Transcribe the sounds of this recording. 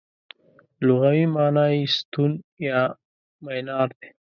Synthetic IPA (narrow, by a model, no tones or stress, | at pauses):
luɣawimɑːnaist̪unjɑ | majnɑːɾd̪e̥